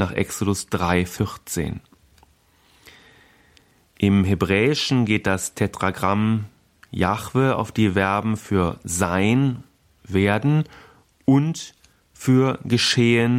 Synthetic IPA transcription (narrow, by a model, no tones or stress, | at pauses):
naːχʔɛ̰ksodʊsd̥ʁaɪfɪʁt͡sḛːn | ʔɪmɦebʁɛːɪʃn̩ɡeːt̚d̥astʰɛtʁ̥aɡʁam | jaχv̥əa̰ʊfd̥iːvɛɐbm̩fyːɐzaɪn | veːɐdn̩ | ʔʊnt | fyːɐɡəʃeːən